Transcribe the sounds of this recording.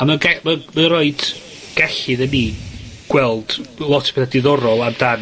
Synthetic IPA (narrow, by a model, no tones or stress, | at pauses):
aməɡɛməməɾɔɨd̥ | ɡ̥ɛɬɪðəniːɡ̥wɛlˠd̥lˠɔtʰpʰeθadɪðɔɾɔlˠadan